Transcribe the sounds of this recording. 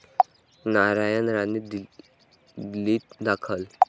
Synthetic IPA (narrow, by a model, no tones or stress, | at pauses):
naɾajənɾanid̪i | liːt̪̚d̪akʰəl